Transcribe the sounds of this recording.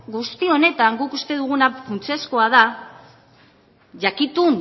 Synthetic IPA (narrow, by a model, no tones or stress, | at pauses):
ɡust̪io̞ne̞t̪aŋɡukust̪e̞ðuɣ̞unafunt͡siesko̞aða | ʝakit̪un